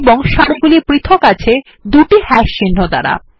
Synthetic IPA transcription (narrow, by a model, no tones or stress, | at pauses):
boŋʃaɽiɡulipɾit̪ʰokat͡ɕʰe | d̪uʈihɛʃt͡ɕinːod̪a̰ɾa̰